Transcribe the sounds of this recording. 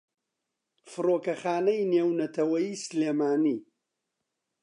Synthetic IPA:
fɨroːkɐxaːnɐjneːwnɐt̪ʰɐwɐjiːsɨleːmaːniː

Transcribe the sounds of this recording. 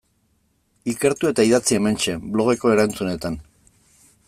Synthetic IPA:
ike̞ɾt̪ue̞t̪aiðat͡sie̞me̞nt͡ʃe̞blo̞ɣ̞e̞ko̞eɾant͡sune̞t̪an

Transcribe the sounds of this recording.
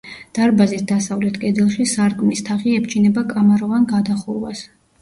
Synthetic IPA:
d̪̥aɾbazisd̪asavlɛt̪ʰkʼɛd̪ɛlˠʃisaɾkʼmist̪ʰaχiɛp̚ʰt͡ʃʰinɛbakʼamaɾɔvanɡad̪aχuɾwas

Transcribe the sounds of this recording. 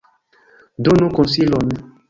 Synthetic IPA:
donũkɔ̃silɔnɛ̃

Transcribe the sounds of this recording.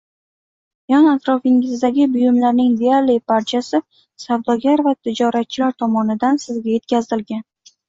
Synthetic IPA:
jɒnat̪ɾɒfɪŋʲɪzd̪aɡʲɪbʊjʊmlaɾnɪŋd̪eaɾlɪjpaɾt͡ʃʰasɪ | savd̪ɒɡʲaɾvat̪ʰɪd͡ʒɒɾat̪̚t͡ʃʰɪlaɾt̪ʰɒmɒnɪd̪ansɪzɡʲaje̞t̪̚kʲazɪlɡʲan

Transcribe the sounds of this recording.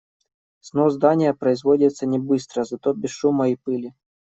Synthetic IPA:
snozd̪anʲɪjəpɾɐɪzvodʲɪt̪sənʲɪbɨst̪ɾəzɐt̪obʲɪsʂumɐipɨlʲɪ

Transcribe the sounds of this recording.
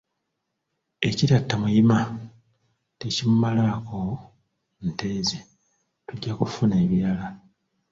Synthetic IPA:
e̞ciɾjatːamujima | tecimumalaːko | nte̞ːze | tuɟːakufune̞ːβjɾala

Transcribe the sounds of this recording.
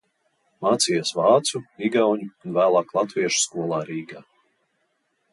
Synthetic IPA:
maːt̪sijasvɑːt̪suɾiɡawɲuːnvæːlˠɑːklˠat̪viɛʃu̥skuɔlˠɑːɾiːɡaː

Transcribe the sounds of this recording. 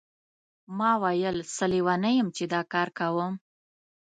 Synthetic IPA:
mɑwajəlsəliwanəjəmt͡ʃed̪ɑkɑɾkawəm

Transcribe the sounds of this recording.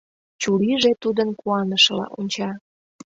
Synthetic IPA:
t͡ɕuliʒet̪ud̪ənkuɑnəʃəlɑ̰ʔonʲt͡ɕɑ

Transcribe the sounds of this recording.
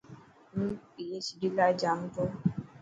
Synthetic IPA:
m̩pijet͡ʃidilad͡ʒam̩tɔ

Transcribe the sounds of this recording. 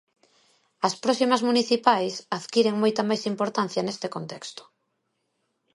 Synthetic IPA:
ɐspɾɔsimɐzmuniθipajsaðkiɾeŋmojt̪ɐmajsimpoɾt̪an̟θjɐnest̪ekont̪ɛkst̪ʊ̥

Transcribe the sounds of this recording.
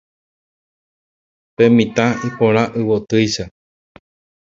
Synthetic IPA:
pẽmĩt̪ãipoɾaʔɨwot̪ɨjʃa

